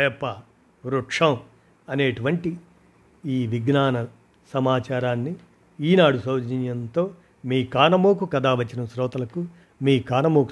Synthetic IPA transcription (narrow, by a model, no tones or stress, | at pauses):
ɛjpːɐ | ɾuʈʂɐm | ɐneːʈuʋɐɳʈi | iːʋiɡnaːnɐ | sɐmaːt͡ʃaːɾaːnːi | iːnaːɽusɐːd͡ʒiɲjɐnt̪o̞ː | miːkaːnɐmoːkukɐd̪aːʋɐt͡ʃːinɐmsɾɔːt̪ɐlɐku | miːkaːnɐmoːk